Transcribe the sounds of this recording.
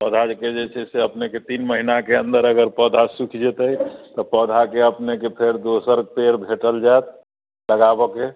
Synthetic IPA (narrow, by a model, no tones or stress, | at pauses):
pəd̪ʱad͡ʒked͡ʒet͡ʃʰɛseəpneket̪inməɦinakeə̃nd̪əɾəɡəɾpəd̪ʱasukʰd͡ʒet̪əjt̪ɔpəd̪ʱakeəpnekepʰeɾd̪osəɾpeɾbʱeʈəld͡ʒaet̪̚ | ləɡabɔke